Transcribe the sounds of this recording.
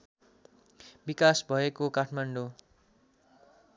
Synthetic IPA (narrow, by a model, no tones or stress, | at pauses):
bikasbʱʌekokaʈʰmaɳɖo